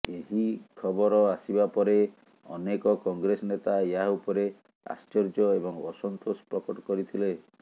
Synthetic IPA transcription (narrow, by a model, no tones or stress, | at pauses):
eɦikʰɔbɔɾɔasibapɔɾe | ɔ̰nekɔkɔŋɡɾesɔnet̪aeaupɔɾe | a̰st͡ʃɔɾd͡ʒɔebɔŋɔsɔnt̪ospɾɔkɔʈɔ̥kɔɾit̪ʰile